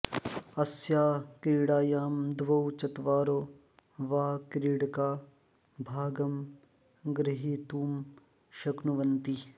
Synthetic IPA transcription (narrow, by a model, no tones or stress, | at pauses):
ɐsjaːkɾiːɽaːjaːmd̪ʋɐwt͡ʃɐt̪ʋaːɾoː | ʋaːkɾiːɽkaː | bʱaːɡɐm | ɡɾɪɦiːt̪uːm | ʃɐknuʋɐnt̪i